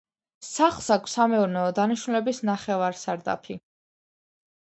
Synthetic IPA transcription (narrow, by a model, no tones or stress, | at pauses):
saχlˠsakʷʰsamɛuɾnɛɔd̪aniʃnulɛbisnaχɛvaɾsaɾd̪a̰pʰi